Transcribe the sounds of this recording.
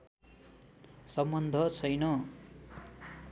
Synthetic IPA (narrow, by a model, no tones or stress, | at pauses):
sʌmbʌnd̪ʱʌt͡sʰʌjnʌ